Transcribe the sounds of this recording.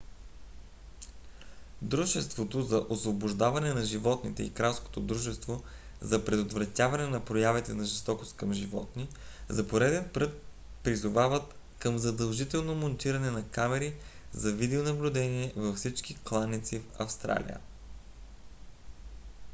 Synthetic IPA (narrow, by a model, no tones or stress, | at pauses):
d̪ɾuʒɛst̪vot̪ozɐʔosvobʊʒd̪avɐnɛnɐʒivɔt̪nit̪ɛikɾasko̥t̪od̪ɾuʒɛst̪vo | zɐpɾɛd̪ʊt̪vɾɐt̪ʲjavɐnɛnɐpɾojavit̪ɛnɐʒɛst̪ɔkost̪kɐmʒivɔt̪ni | zɐpoɾɛd̪ɛnpɾɤt̪̚ | pɾizʊvavət̪ | kəmzɐd̪ɐlˠʒit̪ɛlˠnomont̪iɾɐnɛnɐkamɛɾizɐvid̪ɛonɐblʲʊd̪ɛniɛvɐfsit͡ʃk̟iklˠanːit̪sifɐ̰fst̪ɾa̰lʲḭə̰